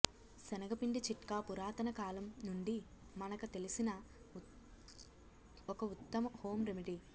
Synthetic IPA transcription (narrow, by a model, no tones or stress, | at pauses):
sɛnɐɡɐpiɳɖit͡ʃiʈkaːpuɾaːt̪ɐnɐkaːlɐmnuɳɖi | mɐnɐkɐt̪e̞lisinɐ | ɔkɐut̪ːɐmɐhoːmɾemiʈi